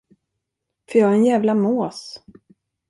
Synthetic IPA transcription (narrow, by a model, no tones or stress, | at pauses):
fœjɑːhaɾɛnjæːvlamoːs